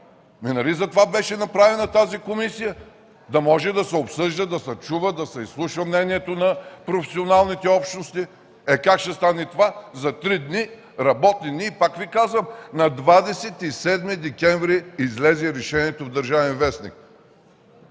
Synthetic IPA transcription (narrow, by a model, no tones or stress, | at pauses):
minɐlizɐt̪ovabɛʃɛnɐpɾavɛnɐt̪azikomisijə | d̪ɐmɔʒɛd̪ɐsɛopsɤʒd̪əd̪ɐsɐt͡ʃuvəd̪ɐsɛislˠuʃvəmnɛniɛt̪onɐpɾofɛsionalˠnit̪ɛɔpʃnost̪i | ɛkakʃt̪ɛst̪anɛt̪ovazɐt̪ɾid̪ni | ɾɐbɔt̪ninipakvikazvəmnɐd̪vad̪ɛsɛt̪isɛd̪mid̪ɛkʲɛnvɾiizlɛziɾɛʃɛniɛt̪ovd̪əɾʒavɛnvɛsnḭk̚